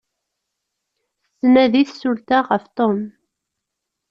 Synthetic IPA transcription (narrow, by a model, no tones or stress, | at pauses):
snæðiθsult̪aʁəft̪ˤom